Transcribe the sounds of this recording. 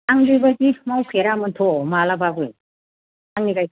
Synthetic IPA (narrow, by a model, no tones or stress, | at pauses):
aŋdɯjbakimawpʰeɾamɯntʰɔmalabaɡuj | aŋniɡaj